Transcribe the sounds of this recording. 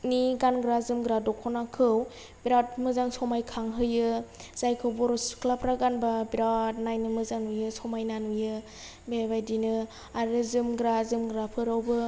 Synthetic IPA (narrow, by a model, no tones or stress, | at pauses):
niɡanɡɾazɯmɡɾadɔkʰɔnakʰɯw | biɾat̚mɯzaŋsɔmajkʰaŋɦɯjɯz̥ajkʰɯwbɔɾskʰlapɾaɡanbabiɾat̚najnɯmɯzanujɯsɔmajnanujɯ | bebajdinɯ | aɾɯzɯmɡɾazɯmɡɾapʰɯɾawbɯ